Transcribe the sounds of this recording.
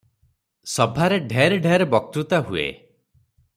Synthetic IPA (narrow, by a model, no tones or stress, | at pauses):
sɔbʱaɾeɖʱeɾeɖʱeɾebɔk̚t̪ɾut̪aɦuḛ